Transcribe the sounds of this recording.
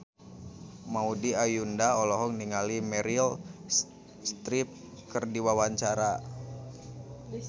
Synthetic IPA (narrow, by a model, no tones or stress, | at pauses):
maudiajundaɔlɔɦɔŋniŋalimɛɾil | st̪ɾip̚ | kərdiwawaɲt͡ʃaɾa